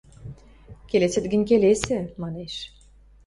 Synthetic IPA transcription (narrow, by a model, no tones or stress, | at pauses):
kelesə̆t̪̚ɡə̆nʲk̬elesemɑneʃ